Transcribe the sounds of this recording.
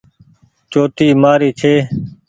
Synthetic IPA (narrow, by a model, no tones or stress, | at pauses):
t͡ʃoːt̪iːmaːɾiːt͡ʃʰeː